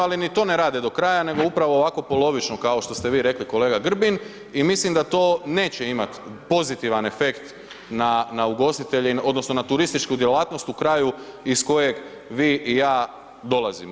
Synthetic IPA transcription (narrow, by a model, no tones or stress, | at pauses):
alinit̪o̞ːne̞ɾaːd̪ed̪o̞kɾaːjane̞ɡo̞upɾaʋo̞ːʋako̞po̞lˠo̞ʋit͡ʃno̞kao̞ʃt̪o̞st̪e̞ʋiːɾe̞kliko̞le̞ːɡaɡr̩bin | imislimd̪at̪o̞ːne̞ːt͡ɕeimat̪po̞zit̪iʋane̞fe̞kt̪ | nanauɡo̞st̪it̪e̞ʎeo̞d̪no̞sno̞nat̪uɾist̪it͡ʃkud̪jelaːt̪no̞st̪ukɾaːjuisko̞je̞ɡ | ʋiːʔijaː | d̪o̞lazim